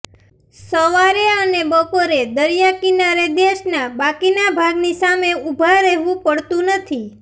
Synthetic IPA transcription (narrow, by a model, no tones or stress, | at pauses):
səʋaɾeənebəpoɾed̪əɾjakinaɾed̪eʃnabakinabʱaɡnisameubʱaɾəɦʋũpəɽt̪ũnət̪ʰi